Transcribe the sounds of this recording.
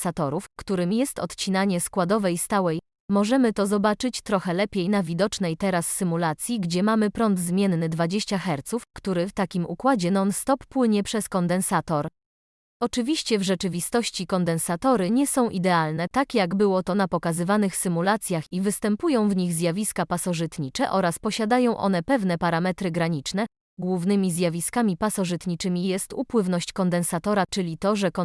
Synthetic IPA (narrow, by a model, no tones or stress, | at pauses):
sat̪ɔɾufkt̪uɾɘmʲjɛst̪ɔt̪t͡ɕinaɲɛskwad̪ɔvɛjst̪awɛj | mɔʐɛmɘt̪ɔzɔbat͡ʂɘt͡ɕt̪ɾɔxɛlɛpʲjejnavʲid̪ɔt͡ʂnɛjt̪ɛɾasːɘmulat̪sʲjiɡd͡ʑɛmamɘpɾɔnd̪zmʲjɛnːɘd̪vad͡ʑeɕt͡ɕaxɛɾt̪sufkt̪uɾɘft̪akʲimukwad͡ʑɛnɔnst̪ɔpːwɘɲɛpʂɛskɔnd̪ɛnsat̪ɔɾ | ɔt͡ʂɘvʲiɕt͡ɕɛvʐɛt͡ʂɘvʲist̪ɔɕt͡ɕikɔnd̪ɛnsat̪ɔɾɘɲɛsɔ̃w̃ʔid̪ɛalnɛt̪akʲjaɡbɘwɔt̪ɔnapɔkazɘvanɘxsɘmulat̪sʲjaxivɘst̪ɛmpujɔ̃w̃vɲiɣzʲjavʲiskapasɔʐɘt̪ɲit͡ʂɛʔɔɾaspɔɕad̪ajɔ̃w̃ʔɔ̰n̪ɛpɛvnɛpaɾamɛt̪ɾɘɡɾaɲit͡ʂnɛ | ɡwuvnɘmʲizʲjavʲiskamʲipasɔʐɘt̪ɲit͡ʂɘmʲijɛst̪upwɘvnɔɕt͡ɕkɔnd̪ɛnsat̪ɔɾat͡ʂɘlʲit̪ɔʐɛkɔ